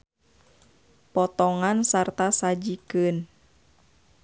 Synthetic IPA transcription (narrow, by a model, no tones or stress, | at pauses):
pɔt̪ɔŋansart̪asad͡ʒikɨn